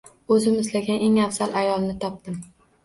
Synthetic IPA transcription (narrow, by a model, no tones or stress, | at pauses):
ɵzɪmɪzlaɡʲane̞ŋafsalʔajɒlˠnɪt̪ʰɒp̚d̪ɪm